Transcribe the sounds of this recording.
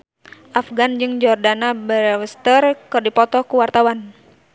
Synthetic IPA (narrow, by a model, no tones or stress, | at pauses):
ʔafɡand͡ʒɨŋd͡ʒɔrdanabəɾɛwəst̪ərkɨrdipɔt̪ɔkuwart̪awan